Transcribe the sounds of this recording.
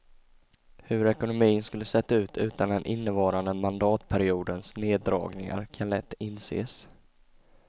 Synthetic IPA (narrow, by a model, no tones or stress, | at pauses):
hɵɾɛkʊnʊmiːənskɵlːəsɛt̪ːaʉ̟ːt̪ʰʉ̟ːt̪and̪ɛnʔɪnːəvɑːɾand̪əmand̪ɑːt̪pʰæɾɪuːd̪ənsneːd̪ɾɑ̰ːɡnɪŋa̰ɾkʰanlɛt̪ːɪnsḛːs